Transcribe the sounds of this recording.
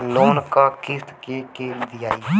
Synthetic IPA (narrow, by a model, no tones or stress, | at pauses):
loːnkaːkɪst̪keːkeːld̪ɪjaːiː